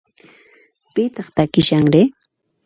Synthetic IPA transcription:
pɪt̪ɑχt̪akɪʃaŋɾɪ

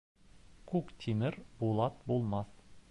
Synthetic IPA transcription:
kʰukt̪ʲʰimɘɾbolˠɑt̪̚bolˠmɑθ

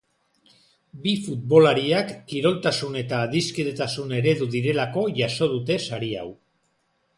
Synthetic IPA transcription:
bifut̪̚βo̞laɾiakːiɾo̞lt̪asune̞t̪aːðiskeðet̪asune̞ɾe̞ðuðiɾe̞lako̞ʝaso̞ð̞ut̪e̞saɾia̰w

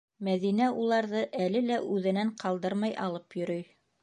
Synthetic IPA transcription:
mæðinæʔulˠɑɾðɤʔælɘlæʔʉðɘ̆næɴqʰɑlˠd̪ɤɾmɑjɑ̰lˠɤpjɵ̆ɾɵj

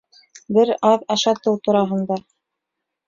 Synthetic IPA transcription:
bɘɾɑðɑʃɑt̪ɤwt̪ŏɾɑɦɤ̆nd̪ɑ

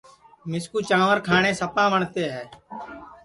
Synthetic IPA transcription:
mɪskuːt͡ʃãːʋəɾkʰaːneːsəpãːʋəɳt̪eːɦɛː

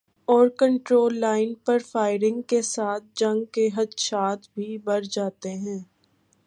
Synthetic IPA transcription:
ɔːɾkə̃ɳʈɾoːlːaːɪnpɐɾfaːɪɾɪ̃ŋɡkesaːt̪̚ʰd͡ʒɐ̃ŋɡkeɦɐd̪ʃaːt̪ʰbʱibɐɾd͡ʒaːt̪eɦɛ̃ː

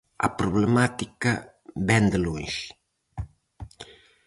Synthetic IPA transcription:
a̰pɾuβləmat̪ikɐ | bɛnd̪əloɲʃ

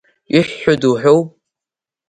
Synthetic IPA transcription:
iħːʊduħʷowpʼ

